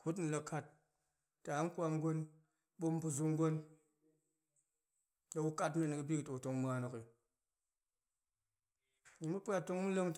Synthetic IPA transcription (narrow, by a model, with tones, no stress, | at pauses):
ku˦t̬n̩˨˧la˧kʰa˦tː | a˨˦ŋ̩˦kʷa˧m˦ɡo˦n | ɓo˦m˦bu˧zu˧ŋ˦ɡʷo˦n | da˨˧wu˦ka˦t̬me˦˨n˨kɨ˨bi˦kto˨to˧ŋmu˨a˨no˨ki˨ | ɲi˨mu˦pʷa˦to˧ŋmu˦le˦ŋt